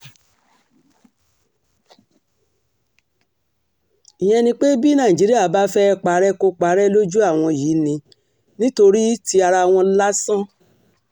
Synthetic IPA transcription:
i˨j̃ɛ̃˧nĩ˧k͡pe˦bi˦nã˦˨i˨d͡ʒi˨˦ɾi˦a˦˨˦ba˦fɛ˦˧k͡pa˨˦ɾɛ˦ko˧k͡pa˨˦ɾɛ˦lo˦d͡ʒu˦a˦˨w̃ɔ̃˧jiː˨˦nĩ˧ | nĩ˦to˧ɾi˦ti˧a˧ɾa˧w̃ɔ̃˧la˦sã˦

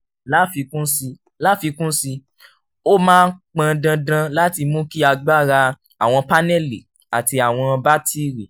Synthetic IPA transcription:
la˦fi˧kũ˦si˧ | la˦fi˧kũ˦si˧ | o˦mãː˦k͡pã˧dã˧dã˧la˦ti˧mũ˦ki˦a˧ɡ͡ba˦˨ɾa˧ | a˨w̃ɔ̃˧pa˦nɛ˦˨lḭ˨ | a˨ti˧a˨w̃ɔ̃˧ba˦ti˦ɾi˨

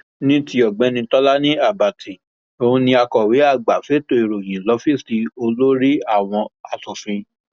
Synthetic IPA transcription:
nĩ˦ti˧˦ɔ˨ɡ͡bɛ̃˨˦nĩ˧tɔ˦la˦nĩ˦a˦˨ba˨tʰi˨ | o˧ũ˧nĩ˧a˧kɔ˨we˨˦a˦˨ɡ͡ba˨fe˨˦to˧˨i˨ɾo˨j̃ĩ˨lɔ˨˦fĩ˦˨sti˨˧o˧lo˦ɾi˦a˦˨w̃ɔ̃˧a˨sɔ˨fĩ˧

